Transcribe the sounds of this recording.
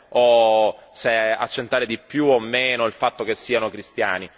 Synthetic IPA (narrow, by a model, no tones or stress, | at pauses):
osea̰t͡ʃːent̪aːɾed̪ipjuomːeːnoilfat̪ːok̟esːiːanokɾist̪ja̰ːni